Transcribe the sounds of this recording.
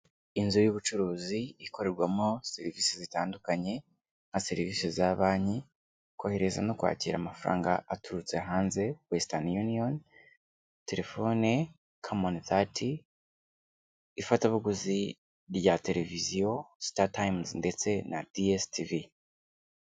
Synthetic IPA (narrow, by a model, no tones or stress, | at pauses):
inzujuβut͡ʃuɾuːziːko̞ɾe̞ɾɡwamose̞ɾiviːsezitaːndukaɲe̞ | ŋ̥hase̞ɾiviːsezaβaːɲi | kwaheɾe̞za̰no̞kwa̰ːciːɾa̰ːmafaɾa̰ːŋɡaatuɾut͡se̞ɦaːnze̞westanjunion | te̞ɾe̞fo̞ne | kʰomonθatʰi | fataβuɡuzi | ɾɟate̞ɾe̞vizijo̞statajmznde̞t͡se̞na̰d̥iestʰivi